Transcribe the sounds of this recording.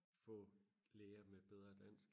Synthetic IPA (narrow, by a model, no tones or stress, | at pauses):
fɔ̰̽ːleːɐmeb̥eð̞ˠʁɐd̥æn̰sɡ̥